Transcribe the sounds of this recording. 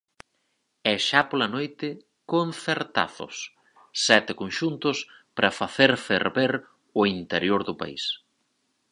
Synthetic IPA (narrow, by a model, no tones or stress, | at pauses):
ɛʃapolɐnojt̪ɪ | konθeɾt̪a̰θʊ̰sː | ɛt̪ɪkonʃunt̪ʊspɾɐfaθeɾfḛɾβeɾ | ʊint̪eɾjoɾðʊpa̰ḭs